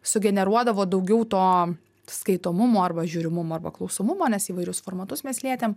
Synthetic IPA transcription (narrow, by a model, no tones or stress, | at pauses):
sʊɡʲɛnʲɛɾuɔd̪ɐʋoːd̪ɐʊɡʲɛʊt̪oː | skɐɪt̪oːmʊmoːɐɾbɐʒʲuːɾʲɪmʊmoːɐɾbɐklˠɒʊsoːmʊmoːnʲɛsiːʋɐɪɾʲʊsfoːɾmɐt̪ʊsmʲeɛslʲiɛt̪ʲeːm